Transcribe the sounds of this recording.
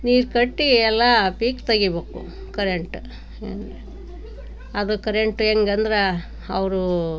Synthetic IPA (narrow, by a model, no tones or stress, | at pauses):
niːɾkɐʈːiɛlːɐpiːkt̪ɐɡibeːkṵ | kɐɾeɳʈu | ene | ɐd̪ukɐɾeɳʈueːŋɡɐnd̪ɐɾe | ɐʋɾu